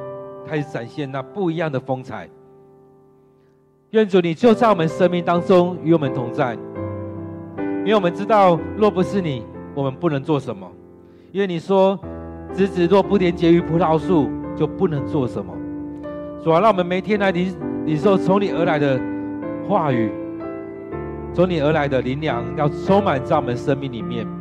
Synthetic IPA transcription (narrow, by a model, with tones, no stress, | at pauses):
k̪ʰa˥ɪt͡sa˨˩nɕjɛ˥˧nna˥˧pu˥˩i˧˥jɑ˥˩ŋd̪ə˩fɤ˥ŋt͡sʰa̰˨˩˦ɪ | ɥɛ˥˩nt͡su˨˥ni˨˩t͡ɕjo˥˧ʊt͡sa˥˩wɔ˨˩mə˦nʂə˥nmi˥˩˨ŋt̪ɑ˥ŋt͡sʊ˥˦ŋy˧˥wɔ˨˩mə˨˦nt̪ʰʊ˧˥ŋt͡sa˥˩ɪ˥˧˨ | wɔ˨mə˧˦nʈ͡ʂɻ̩˥t̪ɑ˥˨ʊlwɔ˥˩pu˧˥ʂɻ̩˥˩ni˨˩wɔ˨˩mə˨˦npu˥˩nɤ˧˦˥ŋt͡swɔ˥˩ʂə˧˦nmə̰˦ | i˦nwɛ˥˩ni˨˩ʂwɔ˦ʈ͡ʂɻ̩˧˥t͡sɻ̩˨˩lwɔ˥˧˩pu˥˩t̪jɛ˧˥˦nt͡ɕjɛ˧˥y˧˥pʰu˧˥t̪ʰɑ˧˥ʊʂu˥˧t͡ɕjo˥˧ʊpu˥˩nɤ˧˥ŋt͡swɔ˥˩ʂə˨˦nmə̰˨ | t͡su˨˩a˨˧˦ɻɑ˥˩wɔ˨˩ə˦nme˨˩ɪ˥t̪ʰjɛ˥nla˧˥ɪi˧˦li˨˩nʂ̬o˥˩ʊt͡sʰʊ˧˥ŋni˨˩ə˞˧˥la˧˦ɪd̪ə˧ | xwa˥˩˨y˨˩ | t͡sʰʊ˧˥ŋni˨˩ə˞˧˥la˧˦ɪd̪ə˧li˧˥nljɑ˧˦ŋjɑ˥˩ʊt͡sʰo˥ŋma˨˩nt͡sa˥˩ɪwɔ˨˩mə˦nʂə˥nmi˥˩ŋli˨˩mjɛ˥˩n